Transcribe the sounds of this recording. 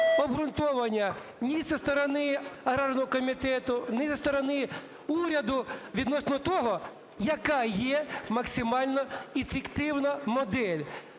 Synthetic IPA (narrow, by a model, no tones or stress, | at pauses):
ɔbɦɾʊnt̪ɔʋɐnʲːɐ | nʲisɐst̪ɔɾɔnɪɐɾarnɔɦɔkɔmʲit̪ɛt̪ʊnɛsɐst̪ɔɾɔnɪ | uɾʲɐd̪ʊʋʲid̪nɔsnɔt̪ɔɦɔ | jɐkajɛmɐksʲɪmɑlʲnɔɪfɪkt̪ɪwnɐmɔd̪ɛlʲ